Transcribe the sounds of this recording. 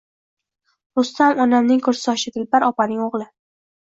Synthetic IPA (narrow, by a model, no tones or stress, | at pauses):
ɾʊst̪ʰamɒnamnɪŋkʰɵɾsɪɒʃɪd̪ɪlpaɾɒpanɪŋoʁlˠɪ